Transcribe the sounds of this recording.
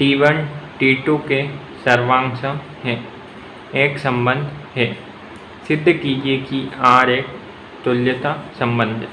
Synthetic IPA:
ʈiːʋənʈiːʈuke | sɐɾʋãːŋsə̃ | ɦɛː | eːksɐ̃mbə̃nd̪ʱɦɛː | sɪd̪ʱːəkiːd͡ʒekiaːɾeːk̚ | t̪ʊljət̪asɐ̃mbə̃nd̪ʱ

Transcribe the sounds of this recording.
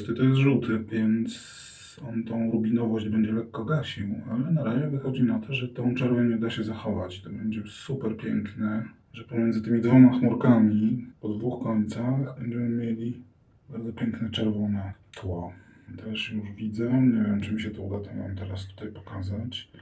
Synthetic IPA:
st̪ɛt̪ɔjɛzʐut̪ɘvʲjɛnt̪s | ɔnt̪ɔ̃w̃ɾubʲinɔvɔʑd͡ʑbɛɲd͡ʑɛlɛkːɔɡaɕiwalɛnaɾaʑɛvɘxɔd͡ʑinat̪ʰɔʐɛt̪ɔ̃w̃t͡ʂɛɾvɛɲɛud̪aɕɛzaxɔvat͡ɕt̪ɔbɛɲd͡ʑɛsupɛɾpʲjɛŋknɛ | ʐɛpɔmʲjɛnzɘt̪ɘmʲid̪vɔmaxmuɾkamʲipɔd̪vuxkɔɲt̪saxbɛɲd͡ʑɛmɘmʲjelʲi | baɾd̪ɔpʲjɛŋknɛt͡ʂɛɾvɔnɛt̪ʰwɔ | t̪ɛʂjuʐvʲid̪zɛɲevʲjɛmt͡ʂɨmiɕɛt̪ɔud̪at̪ɔma̰mt̪ɛɾast̪u̥t̪ajpɔ̥kazat͡ɕ

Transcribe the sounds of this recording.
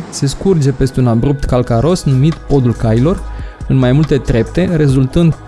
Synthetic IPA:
se̞skurd͡ʒe̞pe̞st̪eunabɾup̚t̪kalkaɾo̞snumit̪po̞d̪ulkajilo̞rɨnmajmult̪e̞t̪ɾe̞p̚t̪e̞ɾe̞zult̪ɨnd̪

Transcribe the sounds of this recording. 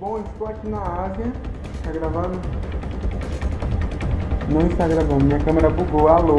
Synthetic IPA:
bõist̪oakinaaziɐ | t̪aɡɾavɐ̃d̪ʊ | nʊĩst̪aɡɾɐ̃ɡɾɐ̃mĩɲɐkɐ̃meɾɐbuɡoalo

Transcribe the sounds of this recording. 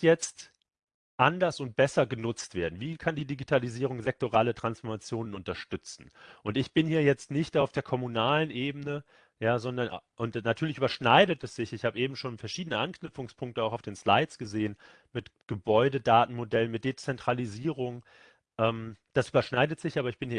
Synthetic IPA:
jɛt͡st | ʔandɐsʊnt̚b̥ɛsɐɡənʊt͡stv̥eːɐdn̩viːkʰandiːdiɡitʰaliziːʁ̞ʊŋzɛk̚toʁaːlətʁ̥ansfɔɐmat͡sjoːnənʊntɐʃtʏt͡sn̩ʔʊntɪçb̥ɪnhiːɐjɛt͡stnɪçtaʊfd̥eːɐkʰɔmunaːlənʔeːbənə | jaːzɔndɐnʔʊntnatʰyːɐlɪçyːbɐʃnaɪdətɛsz̥ɪçɪçhaːbəʔeːbm̩ʃoːnfɛɐʃiːdənəʔanknʏpp͡fʊŋspʰʊŋk̚təaʊxaʊfd̥eːnslaɪtsɡ̥əzeːən | mɪtɡ̥əbɔʏdədaːtn̩modɛlənmɪt̚d̥eːt͡sɛntʁ̥aliziːʁʊŋ | ʔɛːmd̥asʔyːbɐʃnaɪdətz̥ɪçʔaːbɐɪçb̥ɪnhiː

